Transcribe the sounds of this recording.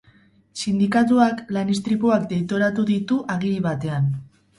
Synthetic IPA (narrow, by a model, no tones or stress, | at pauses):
sind̪ikat̪̬uaklanist̪ɾipuakd̪e̞jt̪o̞ɾat̪uðit̪uʔaɣ̞iliβat̪e̞an